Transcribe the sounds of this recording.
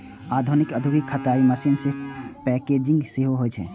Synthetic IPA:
ad̪ʱunikəd̪ʱuɡikʰːət̪aiməsinsɪpɛked͡ʒĩŋɡseɦoɦojt͡ʃʰɛ̰̃

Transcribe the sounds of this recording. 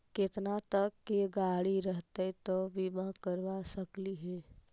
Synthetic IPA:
ket̪nat̪əkːeɡaɽiɾəɦt̪et̪obimakəɾʋasəkliɦɛː

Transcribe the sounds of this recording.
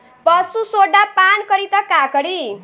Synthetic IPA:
pəsusoɖapankəɾit̪akakəɽi

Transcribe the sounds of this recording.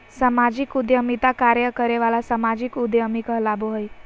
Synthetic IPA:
səmad͡ʑikud̪jəmit̪akaɾjəkəɾeʋalasəmad͡ʑiːkud̪jəmikəɦlaboɦəj

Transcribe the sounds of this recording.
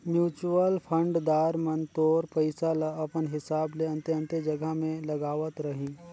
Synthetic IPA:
mjuːt͡ʃuʋəlpʰə̃ɳɖd̪aːɾmɐnt̪oːɾpəɪsalaɐpənɦɪsaːbleɐ̃nt̪eɐ̃nt̪ed͡ʒɐɡamẽlɐɡaːʋət̪ɾɐɦĩː

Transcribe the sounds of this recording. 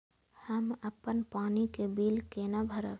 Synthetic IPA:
həməpːənpaːnikebiːlkenabʱəɾə̰

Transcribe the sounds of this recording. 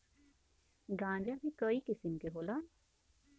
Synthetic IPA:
ɡãːɲd͡ʒabikəikɪsəmkeɦoːlaː

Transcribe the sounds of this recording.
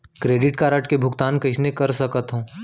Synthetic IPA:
kɾeːɖɪʈkaɾɐʈkebʱʊkt̪aːnkɐt͡ʃʰnekɐɾsɐkət̪ɦõː

